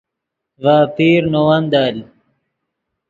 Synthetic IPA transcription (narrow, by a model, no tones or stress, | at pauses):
vaːpiːɾnowɐnd̪aːl